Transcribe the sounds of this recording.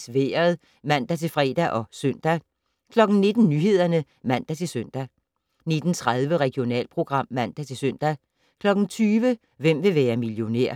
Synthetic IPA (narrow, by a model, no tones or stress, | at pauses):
sʋeːɐð̩ˠ | mæn̰d̥æt͡sʰe̝lfʁɛ̰ːd̥æʔɒ̽søn̰d̥æ | kʰlɒ̽ɡ̥n̩ne̝d̥n̩nyːɦe̝ð̞̰ˠɐnə | mæn̰d̥æt͡sʰe̝lsøn̰d̥æ | ne̝d̥n̩t͡sʰʁað̞ˠʋəʁɛɡ̥jo̝nɛ̰ːlpʰʁo̝ɡ̥ʁɑ̈m̰ːæn̰d̥æt͡sʰe̝lsøn̰d̥æ | kʰlɒ̽ɡ̥n̩t͡sʰyːʋə | ʋem̰ʋe̝ʋæːɐmiljo̝neɐ̰